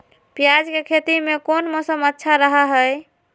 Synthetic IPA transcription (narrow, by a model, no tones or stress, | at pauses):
pijad͡ʒkekʰet̪imekonmɔsəmətːʃʰaɾəɦəɦəj